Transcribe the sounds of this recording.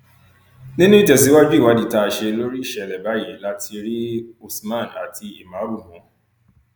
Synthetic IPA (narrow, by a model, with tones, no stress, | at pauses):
nĩ˦nũ˦i˦tɛ˨si˨˦wa˦d͡ʒu˦i˦˨wa˨˦di˨ta˧˨ʃe˧lo˦ɾi˦i˦˨ʃɛ˨lɛ˨ba˨˦je˨˦la˦ti˧ɾi˦o˨smã˦˨na̰˨tʰi˧i˨mã˨˦bu˦˨mũ˨˦